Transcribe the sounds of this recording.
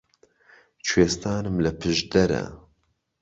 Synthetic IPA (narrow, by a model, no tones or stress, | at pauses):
t͡ʃʰweːst̪aːnɨmlɨpʰɨʒd̪ɐɾɐ̰